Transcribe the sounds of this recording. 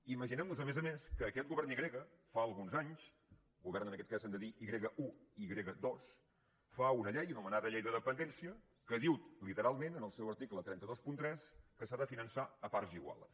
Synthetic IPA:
iməʒinɛmnuzəmezəmeskəːkɛt̪̚ɡuβɛrniɣɾeɣəfaəlˠɣunzaɲsˠ | ɡuβɛɾrnənəkɛt̪̚kazand̪əðiʔiɣɾeɣəʔuiɣɾeɣəd̪os | faunəʎɛjunumənaðəʎɛjðəðəpənd̪ɛnsiə | kəðiwt̪lit̪əɾalˠmenənəlˠsɛwəɾt̪iklət̪ɾɛnt̪əðospunt̪ɾɛskəsaðəfinənsaəpaɾziɣwa̰lˠ

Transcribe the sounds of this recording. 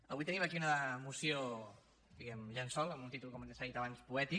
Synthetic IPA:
əβuijt̪əniməkiunəmusio | d̪iɣɛmʎənsɔləmunt̪it̪ulˠkɔmnsaðit̪aβanspuɛt̪i

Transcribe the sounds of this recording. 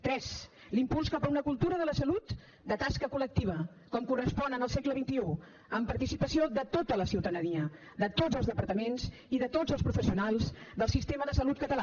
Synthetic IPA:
t̪ɾɛz | limpulˠskapəunəkulˠt̪uɾəðələsəlut̪ | d̪ət̪askəkulək̚t̪iβ̞ə | kɔmkurəspɔnənəlˠsɛkləβint̪iu | əmpəɾt̪isipəsioðət̪ot̪ələsiwt̪ənəniə | d̪ət̪od͡zəlzðəpəɾt̪əmenz | iðət̪od͡zəlˠspɾufəsiunalˠzd̪əlˠsist̪eməðəsəlut̪̚kət̪əla

